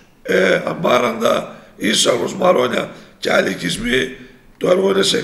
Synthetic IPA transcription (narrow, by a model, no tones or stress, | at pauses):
ea̰mbaɾand̪a̰isakosmaɾoɲa̰t͡ʃa̰likismi | t̪oaɾwonese